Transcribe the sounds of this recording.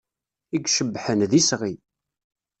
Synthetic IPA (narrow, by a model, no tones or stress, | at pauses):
iɡʃəbːħənðisʁi